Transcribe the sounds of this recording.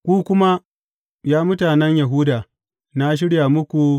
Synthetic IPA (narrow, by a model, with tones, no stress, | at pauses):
kʷuː˦kʷʊ˦ma˦ | jaː˦mʊ˦taː˨nɛ˦ɲja˨ɦʊ˦daː˨ | na˦ʃ̬ɪ˦ɽja˨mʊ˦kʷu˨